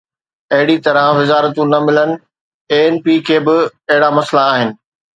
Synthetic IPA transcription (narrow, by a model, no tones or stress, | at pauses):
ɐɦɪɽit̪ɐɾãʋɪzaːɾət̪ũnɐmɪlənɪ̆ | eːeːnpiːkʰeːbɪɐɦɪɽamɐslaːɦɪnɪ̆